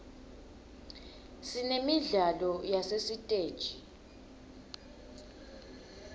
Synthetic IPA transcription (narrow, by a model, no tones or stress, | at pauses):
sinemiɮalɔjasesitʼeːd̥ʒ̥ʱi